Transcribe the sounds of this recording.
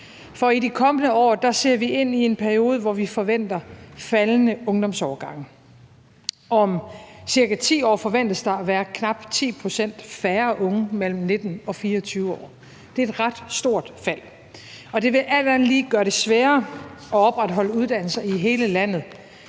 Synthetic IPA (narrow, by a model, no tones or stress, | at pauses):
fɒ̽idikʰɒ̽mənəɒ̰ːd̥ɑ̈se̝ɐ̰ʋie̝n̰ie̝npʰæɐio̝ːð̞ˠəʋɒʋifɒ̽ʋen̰d̥ɐfælnəɔ̽ŋd̥ɒ̽msɒːɡ̥ɑ̈ŋ̰ə | ʔɒ̽msiɐɡ̥æt͡sʰḭːɒ̰ːfɒ̽ʋen̰d̥əsd̥ɑ̈æʋæːɐkʰnɑ̈b̥t͡sʰḭːpʰʁo̝sen̰d̥fæːɐʔɔ̽ŋəmel̰m̩ne̝d̥n̩ɒ̽fiːɐɒt͡sʰyːʊəɒ̰ː | d̥e̝ed̥ʁɑ̈d̥sd̥o̝ɐ̰d̥fæl̰ | ɒ̽d̥e̝ʋe̝ʔæl̰d̥æn̩liːɡ̥ɶɐɾ̥e̝sʋæːɐɒ̽ɒ̽b̥ʁad̥ɦɒ̽l̰əuð̞ˠd̥æn̰l̩sɐiɦe̝ːləlæn̰ð̞̩ˠ